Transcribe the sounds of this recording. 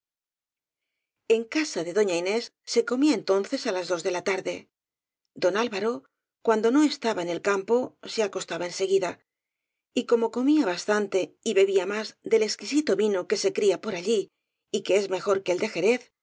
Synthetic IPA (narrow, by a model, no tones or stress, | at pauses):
e̞ŋkasaðe̞ðo̞ɲaine̞sːe̞ko̞miae̞nt̪o̞nθe̞salazðo̞zðe̞lat̪aɾðe̞ | d̪o̞nalβaɾo̞ | kwand̪o̞no̞e̞st̪aβaene̞lkampo̞seako̞st̪aβaense̞ɣiða | iko̞mo̞ko̞miaβast̪ant̪e̞iβe̞βiamazðe̞le̞skisit̪o̞βinoke̞se̞kɾiapo̞ɾaʎi | ike̞e̞zme̞xo̞ɾke̞ld̪e̞xe̞ɾe̞θ